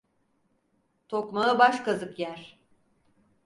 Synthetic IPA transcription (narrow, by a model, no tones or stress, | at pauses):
t̪ʰokmaɯbaʃkazɯkjæɾ̥